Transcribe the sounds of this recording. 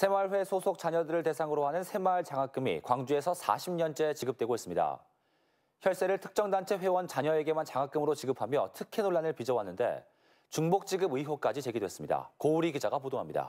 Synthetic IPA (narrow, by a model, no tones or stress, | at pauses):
sʰe̞maɭɸwe̞sʰosʰok̚t͡ɕ͈aɲʌdɯɾɯɭte̞sʰaŋɯɾoɦanɯnsʰe̞maɭt͡ɕaŋak͈ɯmḭkwaŋd͡ʑue̞sʰʌsʰa̰ɕʰimɲʌnt͡ɕ͈e̞t͡ɕiɡɯp̚t͈we̞ɡoɦes͈ɯmɲida̰ | çjʌɭs͈e̞ɾɯɭtʰɯ̥k̚t͡ɕ͈ʌŋdant͡ɕʰe̞ɸwe̞wʌnt͡ɕaɲʌe̞ɡe̞mant͡ɕaŋɦak͈ɯmɯɾot͡ɕiɡɯpʰamjʌ̰tʰɯkʰe̞noɭːanɯɭpid͡ʑʌwanːɯnde̞̰ | t͡ɕuŋbok̚t͡ɕ͈iɡɯbɯiɦok͈ad͡ʑit͡ɕe̞ɡidwes͈ɯmɲida̰kouɾiɡid͡ʑaɡapodoɦamɲida̰